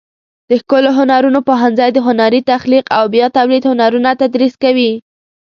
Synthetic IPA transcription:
d̪̥əxkoloɦʊnaɾunopoɦanzajd̪əɦʊnaɾit̪axliqawbjɑt̪awlid̪hʊnaɾunat̪ad̪ɾiskawi

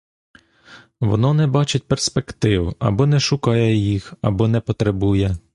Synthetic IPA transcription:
ʋɔ̰nɔnɛbɑt͡ʃʊt̚ʲperspekt̪ɪwɐ̰bɔnɛʃʊkɑjɛjixɐ̰bɔnɛpɔt̪ɾebujɛ

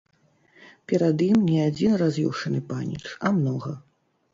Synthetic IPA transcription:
pʲɛɾɐd̪imnʲɛad͡zʲinrazʲiwʂɐnɨpanʲḭt͡ʂɐmnɔɣɐ

